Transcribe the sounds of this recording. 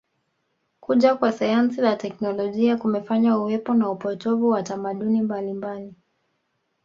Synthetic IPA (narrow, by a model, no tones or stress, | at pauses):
kuʄakwasajansizatɛknɔlɔʄiakumɛfaɲauwɛpɔnaupɔtɔvuwatamaɗunimbalimbali